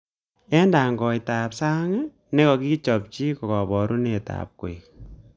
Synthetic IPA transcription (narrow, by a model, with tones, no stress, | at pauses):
ɛ˦nda˨ŋɡɔ˨jta˨psa˦ŋ˦ | ne˦kɔ˨ki˦t͡ʃɔ˨p̚t͡ʃi˦kɔ˨kɔ˨bɔ˨ɾu˦ne˨ta̰ːp̚kwḛ˨k